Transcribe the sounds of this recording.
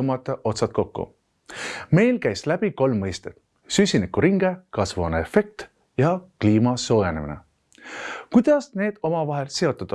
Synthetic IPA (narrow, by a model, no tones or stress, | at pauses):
mɑt̪ːˑɑʔo̞t̪sɑt̪̚ko̞kːṵ | me̞jlkæjslæb̥iko̞lmːɤjst̪e̥ | sysʲinikːuɾiŋɡe̞kɑsvuɑneefe̞k̚t̪ | jɑkliːmɑso̞ːjɑnemḭne̞̰ | kujd̪̥ɑsne̞ːd̪̥o̞mɑvɑɦe̞lse̞o̞t̪ːˑɑd̪̥ɑ